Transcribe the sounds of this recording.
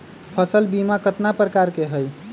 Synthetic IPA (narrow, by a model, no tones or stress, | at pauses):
pʰəsəlbimakət̪napɾəkaɾkeɦəj